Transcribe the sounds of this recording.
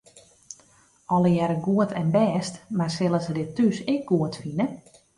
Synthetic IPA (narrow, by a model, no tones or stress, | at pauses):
ɔləjɛɾəɡuətʰɛnbɛːstmarsɪlˠəsdɪtysɪk̚ɡ̥uətfinə